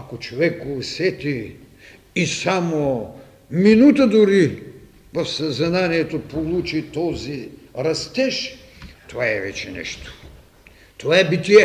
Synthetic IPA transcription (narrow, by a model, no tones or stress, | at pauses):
ɐkot͡ʃovɛkovsɛt̪iː | samo | minut̪əd̪ʊɾi | vɐfsɐzɐnaniɛt̪opolˠut͡ʃit̪ɔziɾɐst̪ɛʃ | t̪ovaɛvɛ̰t͡ʃɛnɛ̰ʃt̪o̥ | t̪ovaɛbit̪iɛ